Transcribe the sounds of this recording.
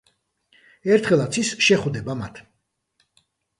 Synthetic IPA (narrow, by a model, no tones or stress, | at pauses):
ɛɾt̪ʰχɛlˠat̪sʰisʃɛχwd̪ɛbama̰t̪ʰ